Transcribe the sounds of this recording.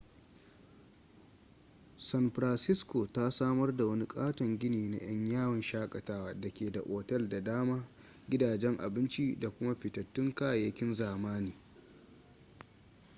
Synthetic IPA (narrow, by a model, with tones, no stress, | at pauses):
sɐ˦nɸɾa˨nsɪ˦skoː˨ta˦saː˦mɐ˦rda˨wɐ˦ni˦kʼaː˦tɐ˨ŋɡʲɪ˦niː˨na̰˦j̰ɐ˦ɲjaː˦wɐ˨nʃaː˦kʼɐ˨taː˦waː˦dɐ˨kʲeː˨da˨ʔʷʼoː˨tɛ˦lda˨daː˦maː˦ | ɡʲɪ˦daː˨d͡ʒɛ˦ŋʔa̰˨bɪ˦nt͡ʃi˦da˨kʷʊ˦ma˦ɸɪ˨tɐ˨tːɪ˦ŋkaː˦˨jɐ˦kʲɪ˦nzaː˨maː˦niː˨